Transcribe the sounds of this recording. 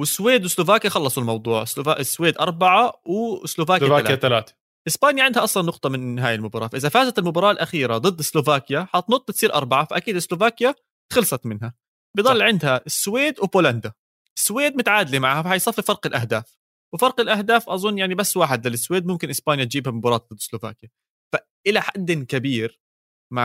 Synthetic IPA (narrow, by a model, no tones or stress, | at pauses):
wɪsweːd̪wɪslovaːkjaxɑlːɑsˤʊlmɑwd̪ˤuːʕɪsaʔɪsːweːd̪ʔɑɾˤbaʕawsloːvaːkaːat̪alaːt̪ḁ | ʔɪsbaːnjaʕɪnd̪haʔɑsˤlɑnːʊqt̪ˤɑmɪnɦaːjɪlmʊbɑɾˤɑːfaʔɪzafaːzat̪ɪlmʊbɑɾˤɑːʔɪlʔaxiːɾad̪ˤɨd̪ːɪslovaːkjaħɑt̪nʊt̪ˤːt̪sˤiːɾʔɑɾˤbaʕafaʔakiːd̪ɪslovaːkja | xɪlsˤɑt̪mɪnɦa | bɪd̪ˤɑlːʕɪnd̪haʔɪsːweːd̪wpoːland̪a | ʔɪsːweːd̪̚mʊt̪ʕaːd̪limaʕhafahajsˤɑfːifɑɾˤqɪlʔahd̪aːf | wfɑɾˤqɪlʔahd̪aːfʔɑzˤʊnːjaʕnibasːwaːħɪd̪laːlɪsːweːd̪̚mʊmkɪnʔɪsbaːnjat̪d͡ʒiːbhamʊbɑɾˤɑːt̪̚d̪ˤɨd̪ːɪ̥sloːva̰ːkja | fa | ʔɪlaħad̪ːɪkabiːɾ | maʕ